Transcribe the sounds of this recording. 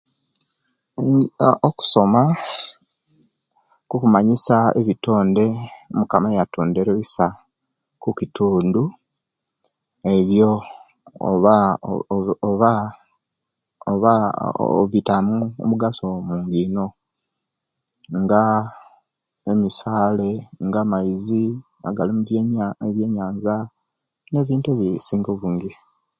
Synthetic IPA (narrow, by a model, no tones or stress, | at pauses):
oku̥so̞ma | kukumaɲisaḛβito̞ːnde̞mukamajatoːnde̞ɾeβisa | kukituːndu | e̞βjo̰ | βa | oβa | oβa | βitamuo̰muɡasomuːŋɡino̞ | ŋɡa | emisaːle̞ŋɡaːmaizi | a̰ɡalimuβjeβje̞ːɲaːɲza | ne̞ːβiːnteβisiːŋɡoβuːŋɡi